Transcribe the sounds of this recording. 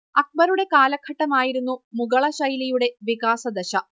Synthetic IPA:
ɐk̚bɐɾuɽe̞kaːlɐkʰːɐʈːɐmaːjiɾunːumuɡɐɭɐɕɐjlijuɽe̞ʋikaːsɐd̪ɐɕɐ

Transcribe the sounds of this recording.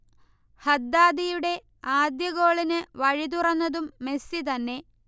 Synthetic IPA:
hɐd̪ːaːd̪ijuɽe̞ | aːd̪jɐɣo̞ːɭinɨʋɐɻit̪urɐnːɐðumːe̞sit̪ɐnːe̞

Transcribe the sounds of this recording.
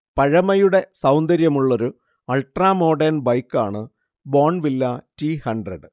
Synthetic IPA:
pɐɻɐmɐjuɽe̞sɐwnd̪ɐɾjɐmuɭːo̞ɾu | ɐlʈraːmo̞ːɖɐrnbɐjkːaːɳɨ | boːɳʋilːɐtiːhɐɳɖrɐɖɨ

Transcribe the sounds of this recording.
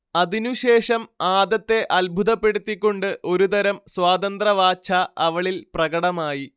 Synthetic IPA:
ɐðinuɕe̞ːʂɐmaːd̪ɐt̪ːe̞ʔɐlbʱuðɐpːe̞ɽut̪ːikʲːo̞ɳɖɨʔo̞ɾud̪ɐɾɐmswaːd̪ɐnd̪rɐʋaːt͡ɕʰaɐʋɐɭilprɐɡɐɽɐmaːji

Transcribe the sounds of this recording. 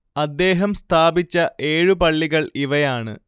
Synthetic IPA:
ɐd̪ːe̞ːɦɐmst̪ʰaːbit͡ɕːɐʔe̞ːɻupɐɭːiɣɐɭiʋɐjaːɳɨ̰

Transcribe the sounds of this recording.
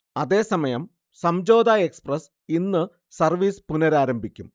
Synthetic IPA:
ɐðe̞ːsɐmɐjɐm | sɐmd͡ʑo̞ːd̪aeksprɐs | inːɨ | sɐrʋiːspunɐɾaːɾɐmbʱikʲːum

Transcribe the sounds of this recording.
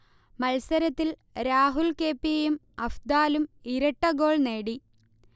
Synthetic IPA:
mɐlsɐɾɐt̪ːil | ɾaːɦulke̞ːpːijejum | ɐfd̪aːlumiɾɐʈːɐɡo̞ːɭneːɽi

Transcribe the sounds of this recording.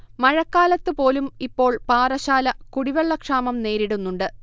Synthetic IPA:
mɐɻɐkːaːlɐt̪ːɨpo̞ːlumipːo̞ːɭpaːrɐɕaːlɐkuɽiʋeɭːɐkʂaːmɐmne̞ːɾiɽunːuɳɖɨ

